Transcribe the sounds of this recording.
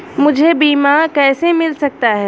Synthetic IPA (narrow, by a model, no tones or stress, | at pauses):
mʊd͡ʒʱebiːmakɛːsemɪlsɐk̚t̪aɦɛː